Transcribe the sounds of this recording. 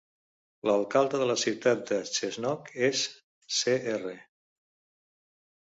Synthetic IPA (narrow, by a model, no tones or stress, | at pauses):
ləlˠkalˠd̪əðələsiwt̪at̪̚d̪ət͡ʃeznɔkesː | eerə